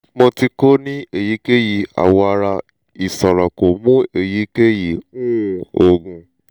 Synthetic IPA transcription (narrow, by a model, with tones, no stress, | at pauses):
mõ˧ti˧ko˦nĩ˦e˨ji˨˦ke˦ji˨a̰˨wɔ˧a˧ɾa˧ | i˨sɔ˨ɾɔ˨ko˨mũ˦e˨ji˨˦ke˦ji˨ũ˦˨o˨ɡũ˧